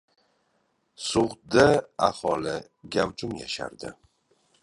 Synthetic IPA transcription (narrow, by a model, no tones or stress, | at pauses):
sʊʁd̪aahɒlɪ | ɡʲawt͡ʃʊmja̰ʃa̰ɾd̪ɪ